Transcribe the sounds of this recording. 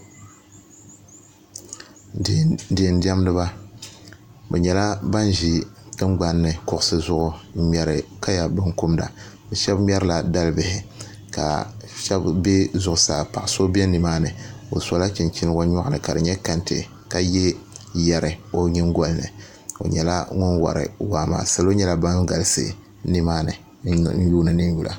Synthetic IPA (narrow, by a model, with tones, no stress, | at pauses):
di˨ndi˦ɛ˦m˦nɨ˦ba˦ | bɛ˨ɲɛ˨la˦ba˦n˦ʒi˦tɨ˦ŋɡ͡ba˨nːɨ˨kʊ˦ʔʊ˦sɨ˦zʊ˦ʔʊ˨˦mʲɛ˨ɾɨ˨ka˦ja˨bɨ˦ŋku˦mda̰˨bɛ˨ʃɛ˦bmʲ˦ɛ˦ɾɨ˦la˨da˦lɨ˦bɪ˨hɪ˨ | ka̰˨ʃɛ˦bbe˦zʊ˨ʔʊ˨saː˨pa˨ʔso˦bɛ˦ni˨maː˦nɨ˨o̰˨sa˨˦la˦t͡ʃi˨nt͡ʃi˦n˦wa˦ɲɔ˦ʔnɨ˨ka˨dɨ˨ɲɛ˦ka˦ntɨ̰˨ | ka˦jɛ˦jɛ˨ɾɨ˨o˦ɲi˦ŋɡo˦lnɨ̰˨ | o̰˨ɲɛ˨la˦ŋʊ˦nwa̰˨ɾɨ̰˨waː˨ma̰ː˨sa˨lo˦ɲɛ˦la˨ba˦n˦ɡa˨lsɨ̰˨ | ni˦maː˦nɨ̰˨ | n̩˦juː˦nɨ˨nɨ˦n˦ju˦lʔa̰˨